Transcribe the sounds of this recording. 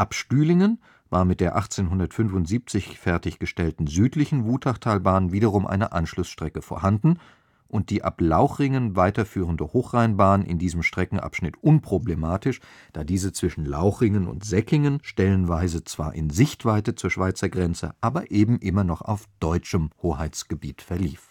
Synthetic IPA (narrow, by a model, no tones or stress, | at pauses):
ʔapʃtyːlɪŋən | vaːɐmɪt̚d̥eːɐʔaχt͡seːnɦʊndɐtfʏnfʊntz̥iːp̚t͡sɪçfɛɐtɪçɡ̥əʃtɛltn̩zyːtlɪçn̩vuːtʰaχtʰaːlbaːnənviːdɐʁ̞ʊmʔa̰ɪnəʔa̰nʃlʊsʃtʁ̥ɛkəfoːɐhandn̩ | ʔʊnt̚d̥iːʔa̰plaʊxʁ̥ɪŋənvaɪtɐfyːʁəndəhoːxʁ̥aɪnbaːnnʔɪ̰ndiːzəmʃtʁ̥ɛkŋ̩ʔa̰pʃnɪtʔʊnpʁ̥oblemaːtɪʃ | d̥aːdiːzət͡sv̥ɪʃn̩la̰ʊxʁɪŋənʊ̰ntz̥ɛkɪŋənʃtɛlənvaɪzət͡sv̥a̰ːɐʔɪnzɪçtv̥aɪtət͡suːɐʃv̥aɪt͡sɐɡʁɛnt͡sə̰ʔaːbɐʔeːbm̩ʔɪmɐnɔχa̰ʊfd̥ɔʏt͡ʃəmhoːhaɪt͡sɡ̥əbiːtfɛɐlḭːf